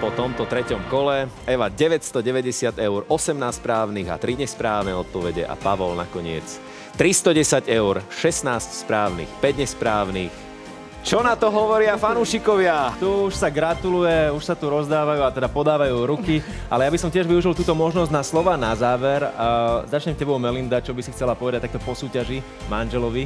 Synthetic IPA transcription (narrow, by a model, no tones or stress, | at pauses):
pɔt̪ɔmt̪ɔt̪ɾɛcɔmkɔlɛɛʋaɟɛʋɛcst̪ɔɟɛʋɛɟɛsɪad̪ɛʊɾɔsɛmnaːsspɾaːʊniɣa̰t̪ɾiɲɛspɾaːʊnɛɔt̪̚pɔʋɛɟɛ̰ʔa̰paʋɔlna̰kɔɲɪɛ̰t͡s | t̪ɾist̪ɔɟɛsaɟɛʊɾʃɛsnaːscspɾaːʊnḭːxpɛɟɲɛspɾaːʊniːx | t͡ʃɔnat̪ɔɦɔʋɔɾɪafanuːʃikɔʋɪat̪uuʃsaɡɾat̪ulujɛuʃsat̪uɾɔzd̪aːʋajuːat̪ɛd̪apɔd̪aːʋajuːɾuki | ʔalɛjabisɔmcɪɛʒʋiuʒilˠt̪uːt̪ɔmɔʒnɔzɟnaslɔʋaːnazaːʋɛɾzat͡ʃɲɛmcɛbɔʊmɛlind̪at͡ʃɔbisixt͡sɛlapɔʋɛd̪act̪ak̚t̪ɔpɔsuːcaʒi | manʒɛlɔʋi